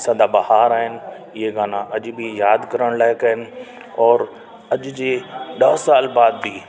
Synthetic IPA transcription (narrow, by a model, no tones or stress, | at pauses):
sɐd̪ʱabɐhaːɾaːɦɪnɪ̆ | ɪɦeɡaːnãʔɐʄbʱijaːd̪kɐɾəɽ̃laːɦɪkɐɦɪnɪ̆ | ɔːɾ | ɐʄd͡ʑeːɗɐɦsaːlbaːd̪bi